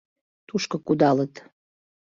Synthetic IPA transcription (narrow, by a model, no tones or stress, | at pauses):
t̪uʃkɤkud̪ɑlət̪